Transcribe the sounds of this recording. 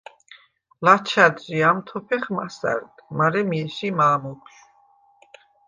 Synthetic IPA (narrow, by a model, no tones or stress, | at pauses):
lat͡ʃʰad̪d͡ʒiamt̪ʰɔpʰɛχmasa̰ɾd̪maɾɛmiɛʃimaːmɔkʰʃu